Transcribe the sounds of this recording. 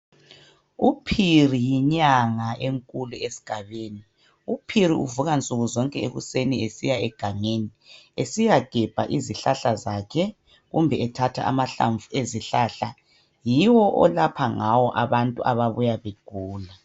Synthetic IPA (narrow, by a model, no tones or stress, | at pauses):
upʰirijiɲaŋaeŋkʼuluesi̥ɡ̥ʱaβeːni | upʰiɾiṵvuɣant͡sʼuɣuzɔŋkʼɛeɣṵseniesijaɛɡ̥ʱaŋeniesijaɡ̥ʱɛb̥ʱaʔiziɬaɬazaːkʰɛ | ɣumbʱɛɛtʰatʰa̰ʔa̰maɬa̰ɱvueziɬaɬa | jiwɔʔɔ̰lapʰaŋawɔʔaβantʼuʔaβaβujaβeɡ̥ʱuːla